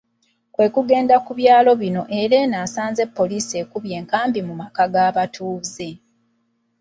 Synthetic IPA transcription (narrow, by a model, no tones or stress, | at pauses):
kwe̞ːkuɡe̞ːndakuβjaːlo̞βino̞ʔe̞ɾe̞naːsaːnze̞pːo̞liːsie̞ːkuβje̞ːŋkaːmbimumakaɡaːβatʰuːze